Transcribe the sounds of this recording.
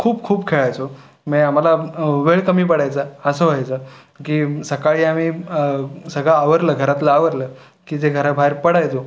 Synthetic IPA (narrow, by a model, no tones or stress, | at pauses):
kʰuːbkʰuːbkʰeɭajt͡so | mɛam̤alaʋeɭkəmiːpəɽajt͡səəsəɦoajt͡sə | kiːsəkaɭiːamiː | səɡɭaːʋəɾləːɡʱəɾat̪laːʋəɾləː | kiːd͡zeɡʱəɾabʱaiɾpəɽajt̪o